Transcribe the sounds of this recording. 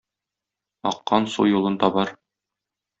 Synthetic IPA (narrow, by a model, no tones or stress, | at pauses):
ɒqːɑnsṵjulˠɤnt̪ɑbɑɾ